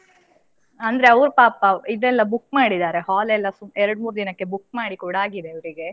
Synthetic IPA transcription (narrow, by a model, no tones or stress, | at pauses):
ɐnd̪ɐɾe̞ɐʋɾupaːpɐid̪ɛlːɐbukːmaːɽid̪aːɾe̞ɦaːlɛlːɐsumɛɾɐɽmuːɾud̪inɐkːe̞bukːmaːɽikuːɽaːɡid̪e̞ɐʋɾiɡe̞